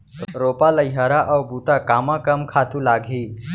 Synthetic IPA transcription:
ɾopaləjɦaɾaʔawbut̪akamakəmkʰat̪ulaɡʱiː

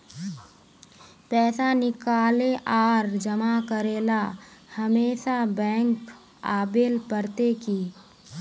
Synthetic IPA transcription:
pɛːsanɪkaːleʔaːɾd͡ʒɐmakəɾeːlahəmeːʃabɛ̃ːŋk | aːbelpəɾt̪ekiː

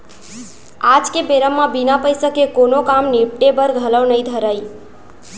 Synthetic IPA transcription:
ad͡ʒkebeɾəmːãbinapəjsəkekonokamnip̚ʈebəɾɡʱələwnəĩd̪ʱəɾaj

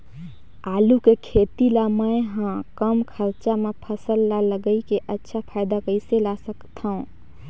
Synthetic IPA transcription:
aːlukekʰet̪ilaməjɦãkəmkʰəɾt͡ʃamepʰəsəlːaləɡəikeʔətːʃʰapʰaːɪd̪akəɪselasəkt̪ʰaũ

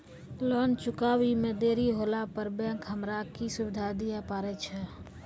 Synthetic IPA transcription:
lɔnt͡ʃʊkawimẽd̪eːɾiɦolapəɾbɛ̃kɦəmɾakisʊbɪd̪ʱad̪ijapaːɾɛt͡ʃʰɛ

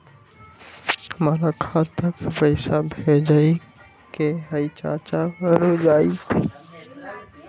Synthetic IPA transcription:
həmaːɾakʰat̪əkepəɪsabʱed͡ʒai | keɦəit͡ʃa̰ːt͡ʃaɾod͡ʒaːit̪ʰ

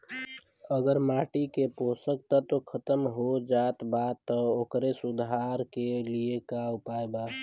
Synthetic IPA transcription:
əɡəɾmaʈikeposək̚t̪ət̪okʰət̪əmɦod͡ʒat̪bad̪̚t̪ːɔokɾesud̪ʱaɾkeliekaupaeba

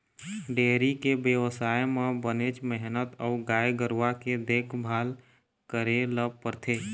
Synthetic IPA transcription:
ɖeːɾikebjəʋəsaːjmẽbənet͡ʃmɛɦnət̪əːɡaːjeɡəɾwaked̪eːkʰbʱaːl | kəɾeləb̚pəɾt̪ʰeː

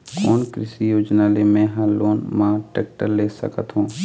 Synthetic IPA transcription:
koːnkɾɪsijoːd͡ʒnaːlemẽɦaloːnmãːʈeːk̚ʈəɾleːsə̰kə̰t̪ɦũː

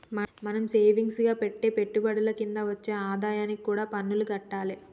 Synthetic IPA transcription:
mɐmɐnɐmse̞ːʋiŋɡsɡaːpe̞ʈːe̞ːpe̞ʈːubɐɽɐlɐkind̪aːʋɐt͡ʃːe̞ːaːd̪aːjaːnikikuːɽaːpɐnːuluɡɐʈːaːli

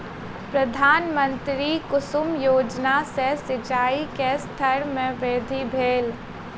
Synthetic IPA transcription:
pɾəd̪ʱaːnmə̃nt̪ɾikʊsʊmjoːd͡ʒnasesɪt͡ʃaːikest̪ʰəɾmẽʋeːd̪ʱibʱeːl

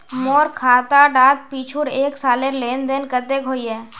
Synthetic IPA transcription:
moːɾkʰaːt̪aɖaːt̪̚piːt͡ʃʰuɾeːksaːleɾleːnd̪eːnkət̪ekɦoːiɦɛː

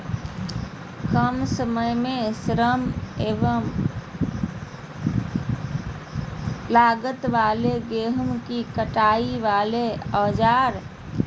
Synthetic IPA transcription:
kəmsəməjmesɾəmeʋəm | laɡət̪ʋaleɡeɦmkikəʈaiʋaleəd͡ʒaɾ

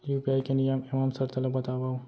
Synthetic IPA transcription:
juːpijaːikenijamɪmaːmsɐɾt̪ɐlɐbɐt̪aːʋaːũ

